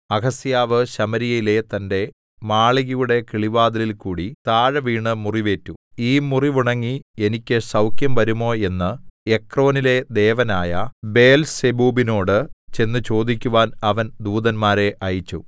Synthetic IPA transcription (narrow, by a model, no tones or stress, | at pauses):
ɐkɐsjaːʋɨɕɐmɐɾijɐjile̞t̪ɐnde̞ | maːɭiɣijuɽe̞kiɭiʋaːd̪ɐlilkuːɽit̪aːɻɐʋiːɳɨmuriʋe̞ːtːuiːmuriʋuɳɐŋːie̞nikʲːɨsɐwkjɐmʋɐɾumo̞ːe̞nːɨe̞kro̞ːnile̞d̪e̞ːʋɐnaːjɐbe̞ːlsebuːbino̞ːɽɨt͡ɕe̞nːɨt͡ɕo̞ːd̪ikʲːuʋaːnɐʋɐnd̪uːd̪ɐnmaːɾe̞ʔɐjit͡ɕːu